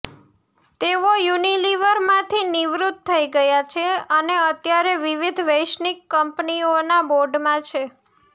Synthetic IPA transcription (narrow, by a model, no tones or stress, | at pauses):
t̪eʋojuniliʋəɾmãt̪ʰiniʋɾut̪ʰːəiɡəjat͡ʃʰeəneət̪jaɾeʋiʋid̪ʱʋəjʃnikːəmpnionaboɾɖmãt͡ʃʰe